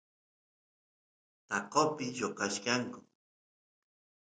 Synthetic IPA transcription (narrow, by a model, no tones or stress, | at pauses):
t̪ɑqopɪjoqɑʃkɑŋkʊ